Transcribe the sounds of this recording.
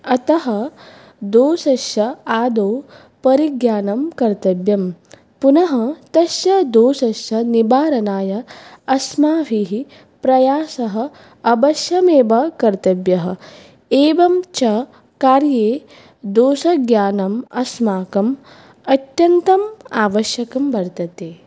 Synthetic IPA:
ɐt̪ɐɦɐ | d̪oːsɐʃjɐaːd̪oː | pɐɾiɡjaːnɐmkɐɾt̪ɐbjɐm | punɐɦɐt̪ɐʃjɐd̪oːsɐʃjɐnibaːɾɐnaːjɐɐsmaːʋiɦi | pɾɐjaːsɐɦɐ̆ | ɐbɐʃjɐmeːbɐkɐɾt̪ɐbjɐɦɐ̆ | eːʋɐmt͡ʃɐ | kaːɾjeː | d̪oːsɐɡjaːnɐmɐsmaːkɐm | ɐt̪jɐnt̪ɐmaːʋɐʃjɐkɐmbɐɾt̪ɐt̪eː

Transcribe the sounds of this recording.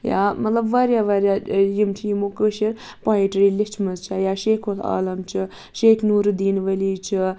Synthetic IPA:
ja̰mɐt̪lɐbʋaːɾjaʋaːɾjajimt͡ʃʰijimokəʃiɾ | paːiʈɾilit͡ʃʰmɐzt͡ʃʰajaːʃeːkʰola̰ːlɐmt͡ʃʰi | ʃeːkʰnuːɾd̪iːnʋɐlit͡ʃʰi

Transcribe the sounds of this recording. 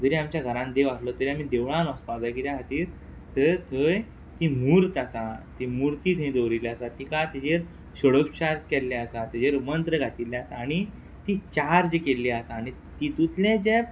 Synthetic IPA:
d͡z̪əɾiamt͡ɕjaɡʱəɾãnd̪eʋaslɔt̪əɾiamid̪eʋɭãnɔspad͡zakit̪jaɦat̪iːɾ | t̪ət̪ʰəj | t̪imuɾt̪asat̪imuɾt̪it̪ʰẽd̪oʋɾilasat̪ikat̪id͡ʑeɾ | ɕəɽəkɕaskɛlːɛasat̪id͡ʑeɾmənt̪ɾəɡʱat̪ilːeasaːɽ̃i | t̪it͡ɕaɾd͡ʑekelːiasaːɽ̃i | t̪it̪ut̪lẽd͡ʑe

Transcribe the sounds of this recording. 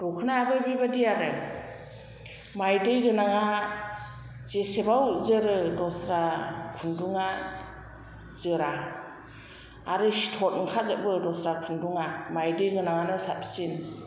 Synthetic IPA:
d̥ɔkʰɯnaabɯjbibadijaɾɯ | majdɯjɡɯnaŋa | zesebawzɯɾɯdɔsɾakʰunduŋa | zɯɾa | ɾɯsi̥tʰɔt̚ŋkʰazɯʔ̚bɯdɔsɾakʰunduŋamajdɯjɡɯnaŋanɯsat̚psin

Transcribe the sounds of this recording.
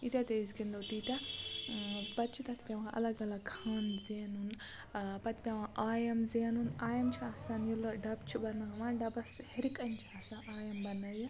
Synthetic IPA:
it̪ʲat̪eizɡind̪owt̪it̪a | pɐt̪ːt͡ʃʰit̪ɐt̪ʰpʲeʋãʔɐ̰lɐɡɐlɐɡkʰaːnzeːnun | pɐt̪ʰpʲeʋãʔaːjɐmzeːnunaːjɐmt͡ʃʰiasanjilɐɖɐbt͡ʃʰibɐnaːʋãɖɐbɐsheɾikɐnt͡ʃʰiasaʔaːjɐmbɐnɐji

